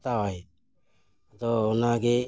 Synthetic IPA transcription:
t̪awaj | t̪oːnaɡe

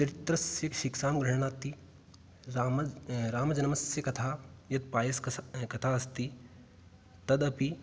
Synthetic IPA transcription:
t͡ʃɐɾɪt̪ɾɐsjɐkʃikʃaːmɡɾɐɦɽ̃aːt̪ːi | ɾaːmɐd͡ʒɐnɐmɐsjɐkɐt̪ʰaːjɐt̪̚paːjɐskɐt̪ʰaːɐst̪i | t̪ɐd̪ɐpi

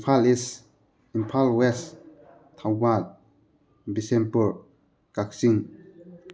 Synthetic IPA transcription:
pʰalis | impʰalwɛs | t̪ʰawbal | bisɛ̃mpəɹ | kaksiŋ

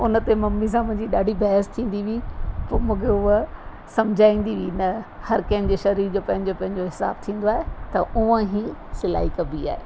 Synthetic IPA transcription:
ʊnə̆t̪emɐmːis̬ãmʊ̃ɦɪ̃ɲd͡ʑiɗaːɖʱibɐɦəst̪ʰĩːn̆d̪iʋipoːmũːkʰeʊɦ | sɐmd͡ʑʱaːĩːn̆d̪iʋinɐ | hɐɾkɐːɪmd͡ʑeːʃɐɾiːɾd͡ʑoːpɐ̃ɦɪ̃ɲd͡ʑopɐ̃ɦɪ̃ɲd͡ʑoɦɪsa̰ːbt̪ʰĩːn̆d̪oaːɦet̪ɐʔʊʋə̃ɦiːsɪla̰ːɦikɐbia̰ːɦḛː

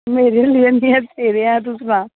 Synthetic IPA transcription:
meːɾelienĩɛt̪ʰeːɾeãt̪ʊsɾãː

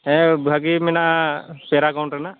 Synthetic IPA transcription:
ɛbʱaɡimɛnapɛɾakawɳʈɾana

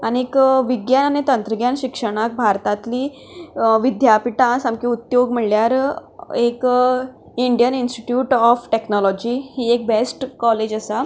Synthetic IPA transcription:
añiekʋiɡjananit̪ənt̪ɾəɡjanɕikʂəɽ̃ak̚bʱaɾt̪at̪liː | ʋid̪japiʈãsamkiut̪joɡm̤əɭljaɾek | iɳɖijəninsʈiʈjuːʈɔfʈeknɔlɔd͡ʑiɦiːek̚besʈkɔled͡ʑəsa

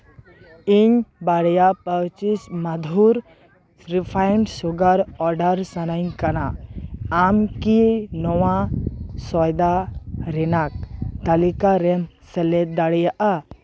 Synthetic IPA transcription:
iɲbaɽjapəwt͡ʃismad̪ʱuɾ | ɾipʰajɳɖsuɡaɾɔɾɖəɾsanaɲkanaː | mkinɔwasɔjd̪aɾɛnak̚t̪alikaɾɛm | sɛlɛd̪aɽɛjaʔa

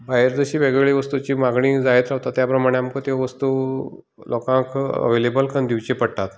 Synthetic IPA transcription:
baɦjɾd͡zəɕiːʋeɡɭeɭiʋəst̪ut͡ɕiːmaɡɳiːd͡zaet̪ɾaʋt̪at̪ːjapɾəmaɽ̃eamkət̪eʋəst̪uː | lɔkãkə̰ʋelebəlkəɳd̪iʋt͡ɕipəɽt̪at̪

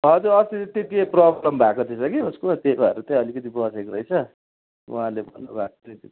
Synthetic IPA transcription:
ɦʌd͡zuɾʌst̪it̪jikeprʌblʌmbʱakot̪ʰisʌkiuskot̪ebaɾut̪ʌ̃ʌlikʌt̪ibʌsekrʌjt͡sʰʌ | ṵɦãlebʌ̰nnubʱako̥t̪ʰʌt̪i

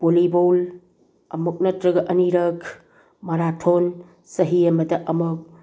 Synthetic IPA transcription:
b̥olibowl | ɐmuk̚nɐtɾɐɡɐʔɐniɾɐkʰ | mɐɾatʰon | sɐɦijɐmɐdɐʔɐmuk̚

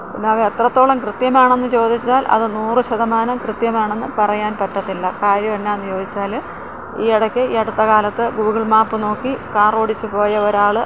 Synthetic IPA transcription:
pinːeʋɐet̪rɐt̪ːo̞ːɭɐmkrɨt̪jɐmaːɳe̞nːɨt͡ɕo̞ːd̪ʱit͡ɕːaːlʔɐ̰ðɨnuːrɨɕɐðɐmaːnɐmkrɨt̪jɐmaːɳe̞nːɨpɐrɐjaːnpɐʈːɐt̪ːilːɐkaːɾjɐʋɐnːenːɨt͡ɕo̞ːd̪ʱit͡ɕːaːl | iːɐɽɐkʲːɨiːɐɽut̪ːɐɣaːlɐt̪ːɨɡuːɣɐɭmaːpːɨno̞ːkːikaːroɽit͡ɕːupo̞ːjɐoɾaːɭɨ

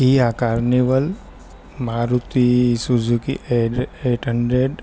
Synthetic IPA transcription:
iɦakaɾniʋəl | maːɾut̪isud͡ʒukḭʔeeːʈɦəɳɖɾeɖ

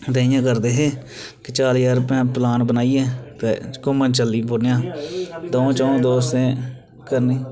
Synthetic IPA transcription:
d̪eːɪ̃jãːkəɾd̪eːɦeː | kɪt͡ʃaːljaːɾəpãːplaːnbənaːiːɛːt̪ḛːkʊmənt͡ʃəliːbonjãːd̪oõːt͡ʃaːõːd̪oːst̪ẽː | kəɾniː

